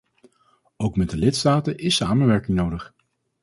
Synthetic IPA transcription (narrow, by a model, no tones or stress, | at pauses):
owkmɛdəlɪtstaːtəʔɪsaːmənʋɛɹkɪŋnowdəχ